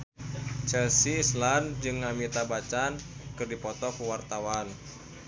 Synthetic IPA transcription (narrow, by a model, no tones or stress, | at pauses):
t͡ʃɛlsiːsland͡ʒɨŋːamit̪abat͡ʃankɨrdipɔt̪ɔkuwart̪awan